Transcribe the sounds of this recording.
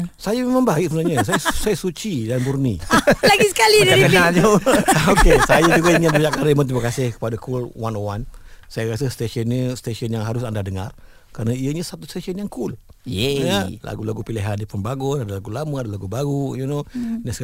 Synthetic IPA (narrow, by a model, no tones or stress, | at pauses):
sajəmemãŋbaɪsəbənaɲəs̬ajəsajəsut͡ʃidanburnilaɡisəkalidkənad͡ʒookesajəd͡ʒuɡaiŋɪnbəd͡ʒaʔkaɾəmənt̪̬iməkasɪhkə̥padakʰulwanowansajəɾasəst̪eʃiənɲəst̪esənjaŋɦaɾʊsandadəŋa̰r | kɾaɾənəiəɲəsat̪ust̪eʃənjaŋkul | əlʔa̰ɡulaɡupiliɦandipəmbaɡɔnadəlaɡulaməadəlaɡubaɡujunonəs